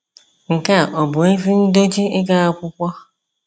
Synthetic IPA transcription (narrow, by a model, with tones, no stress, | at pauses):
ŋ̩˨ka˦˨ʔɔ˨bʊ˨i˦vi˦n̩˦do˦d͡ʒi˦ɪ˦ka˦a˦kʷʊ˦kʷɔ˦